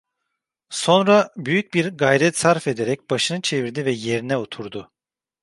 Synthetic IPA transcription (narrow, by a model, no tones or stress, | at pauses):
so̞nɾabyjyc̚biɾɡajɾɛt̪saɾfe̞d̪eɾɛc̚baʃɯnɯt͡ʃʰe̞viɾd̪ivɛje̞ɾinɛot̪ʰuɾd̪ʊ